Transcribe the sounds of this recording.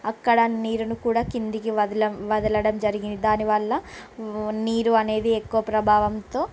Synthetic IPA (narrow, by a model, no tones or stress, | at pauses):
ɐkːɐɽɐniːɾunukuːɽaːkind̪ikiɐlɐʋɐd̪ɐlɐɽɐmd͡ʒɐɾiɡind̪id̪aːniʋɐɭːɐ | niːɾuɐne̞ːd̪iekːuʋɐpɾɐbʱaːʋɐmt̪o̞ː